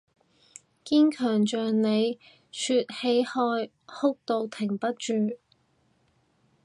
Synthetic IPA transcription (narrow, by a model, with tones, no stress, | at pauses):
kiː˥nkʰœː˨˩ŋt͡ʃœː˨ŋne˨˧j | syː˧t̚he˨˧jhɔː˧j | hʊ˥k̚t̪o˧wt̪ʰɪ˨˩ŋpɐ˥t̚t͡ʃyː˧